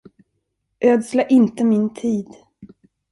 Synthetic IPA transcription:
ʔøːd̪slaʔɪnt̪əmɪnt̪ʰiːd̪

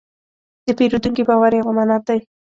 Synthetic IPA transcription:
d̪̥ɪpeɾʊd̪ʊŋkɪbawaɾewamanat̪aj

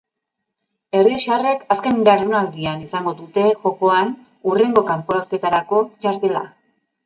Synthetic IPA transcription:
e̞riʃeare̞kaske̞nbaɾonald̪ianisaŋɡo̞ðut̪e̞ʝo̞ko̞an | ure̞ŋɡo̞kampoɾaɾke̞t̪aɾako̞t͡ʃaɾt̪e̞la̰

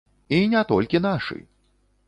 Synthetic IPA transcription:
inʲɛt̪ɔlʲkʲin̪aʂɨ̰j

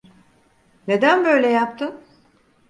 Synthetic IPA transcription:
ne̞d̪ænbø̞jlʲɛjap̚t̪ʰɯn

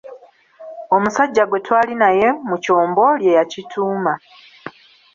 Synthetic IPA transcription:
o̞musaɟːaɡwe̞twaːlinaje̞muco̞ːmbo̞lje̞jacitʰuːma

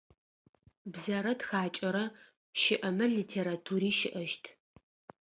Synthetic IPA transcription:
bzɐɾɐtxaːt͡ʃʼɐɾɐ | ʃɪʔɐmɐliːtʰeːɾatʰuːɾiːʃɪʔɐʃtʰ

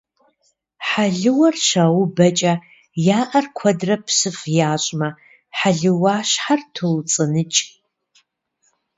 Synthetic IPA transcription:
ħaɮɨwɐrʃaːwʊbɐt͡ʃʼɐ | jaːʔɐrkʷʰɐdrɐpʰsɨfjaːɕʷʼmɐ | ħaɮɨwaːʃħartʰult͡sʼɨnɨt͡ʃʼ

